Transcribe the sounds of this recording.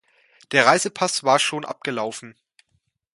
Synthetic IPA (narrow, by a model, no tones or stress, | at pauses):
d̥eːɐʁaɪzəpʰasv̥aːɐʃoːnʔa̰p̚ɡ̥əlaʊfn̩